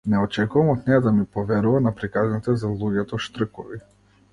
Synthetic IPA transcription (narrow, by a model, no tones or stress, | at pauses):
nɛɔt͡ʃɛkuvamɔt̪nɛjad̪amipɔvɛɾuvanapɾikaznit̪ɛzalˠuɟɛt̪ɔʃt̪r̩kɔvi